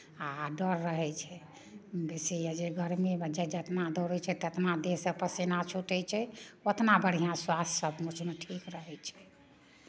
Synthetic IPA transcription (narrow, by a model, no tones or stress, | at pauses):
aɖəɾːəɦɛt͡ʃʰɛ | besijad͡ʒeɡəɾmiməd͡ʒɛd͡ʒət̪nad̪oɾɛt͡ʃʰɛt̪ət̪nad̪esepəsinat͡ʃʰuʈɛt͡ʃʰɛot̪nabəɽ̤ijãswassəbmut͡ʃʰmeʈʰikɾəɦɛt͡ʃʰɛ̥